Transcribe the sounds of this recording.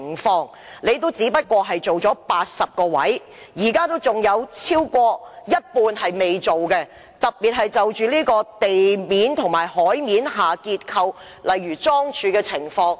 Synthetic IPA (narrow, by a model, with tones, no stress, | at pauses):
ŋfɔː˧ŋ | le˨˧jt̪o˥wt͡siː˨˥pɐ˥t̚kʷɔː˧ɦɐ˨jt͡so˨wt͡ʃɔː˨˥paː˧t̚sɐ˨p̚kɔː˧wɐ̰˨˥j | jiː˨˩kaː˥t̪o˥wt͡sʊ˨ŋjɐ˨˧wt͡sʰiː˥wkʷɔː˧jɐ˥t̚puː˧nhɐ˨jme˨jt͡so˨wkɛ˧ | t̪ɐ˨k̚piː˨t̚ɦɐ˨jt͡sɐ˨wt͡ʃyː˨liː˥kɔː˧t̪e˨jmiː˨˥nt̪ʰʊ˨˩ŋmaː˨˩jhɔː˨˥jmiː˨˥nɦaː˨kiː˧t̚kʰɐ˧w | lɐ˨jɥyː˨˩t͡sɔː˥ŋt͡ʃʰyː˨˧kɛ˧t͡sʰɪ˨˩ŋfɔː˧ŋ